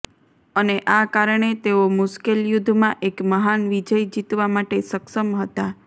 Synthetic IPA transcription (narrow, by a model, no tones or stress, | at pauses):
əneʔakaɾɳ̃et̪eomʊʃkeljʊd̪ʱmãʔekməɦanʋid͡ʒəjd͡ʒit̪ʋamaʈesəkʃəmɦət̪a